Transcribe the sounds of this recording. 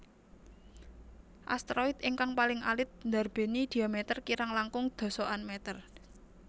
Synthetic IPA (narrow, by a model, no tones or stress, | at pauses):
ʔa̰st̪ɾɔit̪ɪŋkaŋpalɪŋʔa̰lɪt̪̚nd̪a̤rb̥e̤nid̪̥i̤amɛt̪ərkiɾaŋlaŋkʊŋd̪̥o̤soʔanmɛt̪ər